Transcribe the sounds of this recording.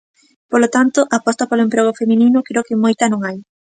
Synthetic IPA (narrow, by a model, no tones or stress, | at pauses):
polot̪ant̪oʔapɔst̪apoloempɾeɣ̞ofemininʊkɾeokɪmojt̪ɐnõŋaj